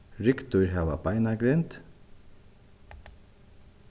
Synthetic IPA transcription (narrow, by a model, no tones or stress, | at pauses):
ɾɪkt̪ʊɾɦaːʋa̰bajnaɡɾɪnt̪